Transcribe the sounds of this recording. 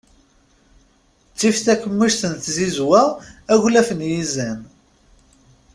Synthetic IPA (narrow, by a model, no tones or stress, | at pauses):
t͡sːifθækːəmːiʃθənθzizwææʝlæfənjizæn